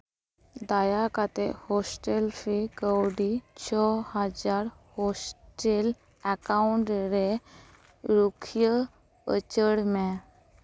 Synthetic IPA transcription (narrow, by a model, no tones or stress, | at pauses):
d̪ajakat̪ehɔsʈelfikəwɽit͡ɕʰɔhad͡ʑaɾ | hɔsʈel | ɛkauɳʈɾe | ɾukʰjə | ə̰t͡ɕəɽmɛ̃